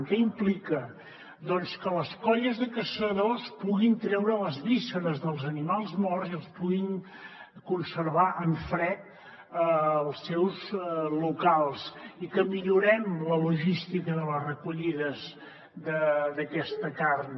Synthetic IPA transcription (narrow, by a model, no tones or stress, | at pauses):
ŋkɛimplikə | ðɔnskələskɔʎəzðəkəsəðospuɣint̪ɾɛwɾələzβisəɾəzðəlˠzənimalˠzmɔrziəlˠspuɣiŋ | kunsəɾβaʔəɱfɾɛt̪̚ | əlˠsɛwzlukalˠsikəmiʎuɾɛmləluʒist̪ikəðələzrəkuʎiðəz | ðəd̪əkɛst̪əkarn